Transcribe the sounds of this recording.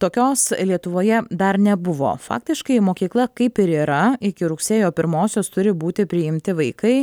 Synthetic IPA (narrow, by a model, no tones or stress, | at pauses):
t̪oːkʲoːslʲiɛt̪ʊʋoːjɛd̪ɐɾnʲɛbʊʋo̰ːfɑ̰ːk̚t̪ʲɪʃkɐɪmoːkʲiːklˠɐkɐɪpɪɾiːɾɐɪkʲɪɾʊksʲeːjoːpʲɪɾmoːsʲoːst̪ʊɾʲɪbuːt̪ʲɪpʲɾʲɪɪmʲt̪ʲɪʋɐɪkɐɪ